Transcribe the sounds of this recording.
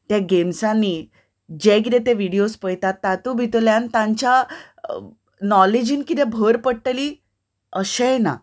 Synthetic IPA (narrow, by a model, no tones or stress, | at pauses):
t̪jaɡemsãnːiː | d͡ʑɛk̬it̪et̪eʋiɽijospəjt̪at̪ːat̪ubʱit̪oljant̪ãɲt͡ɕa | nɔled͡ʑiːnkit̪ɛ̃bʱəɾpəɽʈəli | əɕẽna̰